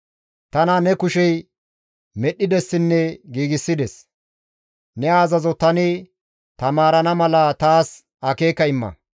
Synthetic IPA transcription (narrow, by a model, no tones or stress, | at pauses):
t̪ɐnɐnɛkʊʃɛj | mɛɗːɪd̪ɛsːɪnːɛɡiːɡɪsːɪd̪ɛs | nɛaːzɐzɔt̪ɐnɪ | t̪ɐmaːɾɐnɐmɐlɐt̪aːs | ɐkeːkːɐɪmːɐ̰